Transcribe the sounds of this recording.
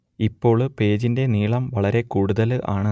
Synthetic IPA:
ipːo̞ːɭpe̞ːd͡ʑinde̞niːɭɐmʋɐɭɐɾe̞kuːɽuðɐlɨʔa̰ːɳɨ

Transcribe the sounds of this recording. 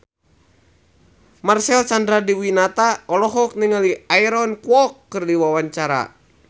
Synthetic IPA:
marsɛlsandɾadiwinat̪aɔlɔɦɔk̚niŋaliaiɾɔnkuwɔkːɨrdiwawaɲt͡ʃaɾa̰

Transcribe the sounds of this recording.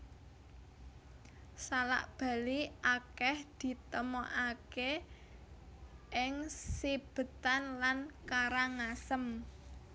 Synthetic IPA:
sala̰ʔb̥a̤liʔakɛhd̪̥i̤t̪əmɔʔake | ʔɪŋsib̥ə̤t̪anlankaɾaŋasəm

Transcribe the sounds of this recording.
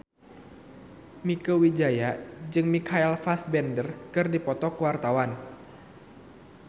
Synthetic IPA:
mikəwid͡ʒajad͡ʒɨŋmikʰaɛlfasbɛndərkɨrdipɔt̪ɔkəwart̪awan

